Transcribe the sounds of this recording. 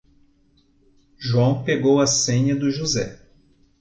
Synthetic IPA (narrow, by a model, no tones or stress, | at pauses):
ʒuɐ̃w̃peɡowɐsẽɲɐd̪ʊʒuzɛ̰